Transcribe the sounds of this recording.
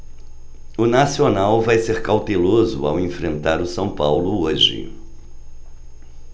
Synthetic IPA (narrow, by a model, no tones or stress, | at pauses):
ʊnasionawvajseɾkawt̪elozʊ̰awẽfɾẽnt̪aɾʊsɐ̃w̃pawlʊoʒɪ̰